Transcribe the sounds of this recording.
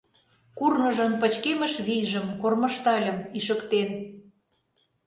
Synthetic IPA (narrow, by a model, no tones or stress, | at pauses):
kurnə̆ʒə̆mpə̆t͡ɕkemə̆ʃβijʒə̆mkorməʃt̪ɑlʲə̆miʃəkt̪en